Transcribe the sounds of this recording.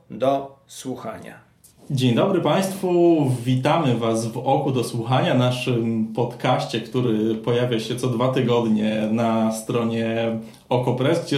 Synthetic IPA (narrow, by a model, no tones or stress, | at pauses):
d̪ɔswuxa̰ɲa̰ | d͡ʑeɲd̪ɔbɾɘpaj̃st̪fuvʲit̪amɘvazvɔkud̪ɔswuxaɲanaʂɘmpɔt̪kaɕt͡ɕɛkt̪uɾɘpɔjavʲjaɕɛt̪sɔd̪vat̪ɘɡɔd̪ɲɛnast̪ɾɔɲɛ | ɔkɔpɾɛsɡd͡ʑɛ